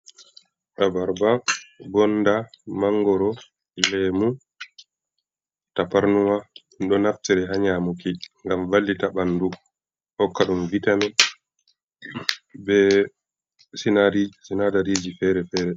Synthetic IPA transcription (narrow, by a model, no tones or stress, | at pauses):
ɗabaɾbabɔndamaŋɡɔɾɔ | lɛmu | tapaɾnuma | ɗɔnaftɛɾɛhaɲamukiŋɡamvalːitaɓandu | hɔkːaɗumvitamɛ | bɛ | sinaɾisinadaɾid͡ʒifɛːɾɛfɛːɾɛ